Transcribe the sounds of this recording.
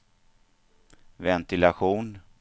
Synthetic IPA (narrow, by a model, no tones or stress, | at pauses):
vɛnt̪ɪlaɧuːn